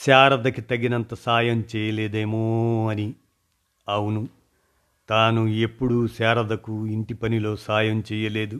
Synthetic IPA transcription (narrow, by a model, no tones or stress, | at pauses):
saːɾɐd̪ɐkit̪ɐɡinɐnt̪ɐsaːjɐmt͡ʃɛːjɐleːd̪eːmoːɐni | ɐwunu | t̪aːnue̞pːuɽusaːɾɐd̪ɐkuiɳʈipɐnilo̞ːsaːjɐmt͡ʃɛːjɐle̞ːd̪u